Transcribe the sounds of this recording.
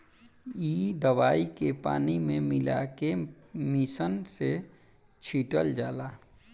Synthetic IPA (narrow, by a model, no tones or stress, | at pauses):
iːd̪əwaːikepa̰ːnimẽmɪla̰ke | mɪsənse | t͡ʃʰiːʈə̰ld͡ʒaːlaː